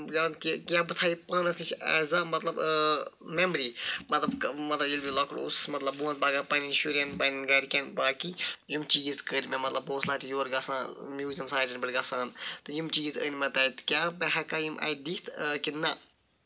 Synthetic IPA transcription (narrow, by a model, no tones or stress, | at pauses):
ɡaːnkikʲjaːbɨt̪ʰaːipaːnɐsnit͡ʃʰa̰ːzaːmɐt̪lɐb | meməɾiːmɐt̪lɐbmɐt̪ɐilbilɐkɽṵsmɐt̪lɐbbuɐ̃nbaːɡapɐninʃuɾʲɐnbɐːninɡɐːɽikʲɐ̃nbaːkijumt͡ʃiːzkəɾmẽmɐt̪lɐboːslaːt̪ijoːɾɡɐsãːmʲjuːzʲimsaːʈɐnbiʈʲɡɐsãːnt̪ɨjimt͡ʃiːzə̰ːnmɐt̪aːit̪kʲaːbɛɦɐkaːjimʔa̰ːjid̪it̪ʰkinɐ